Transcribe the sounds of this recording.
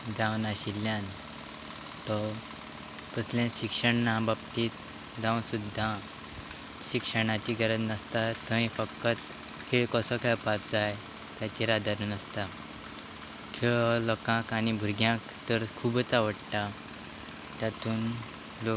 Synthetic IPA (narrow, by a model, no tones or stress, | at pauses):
d͡zawnaɕiljãn | t̪ɔ | pəslẽɕikʂəɳnãbabt̪it̪ | d͡zãwnsud̪ʱːa | ɕikʂəɽ̃ãt͡ɕiɡəɾəd͡znəst̪at̪ʰə̃ĩfəkːət̪ | kʰeɭkəsɔkʰɛɭpat̪d͡zaj | t̪jat͡ɕiɾad̪ʱaɾunəst̪a | kʰeɭlɔkãkanibʱuɾɡjãkt̪əɾkʰubət͡saʋəɽʈ̪a | t̪jat̪uːn | lo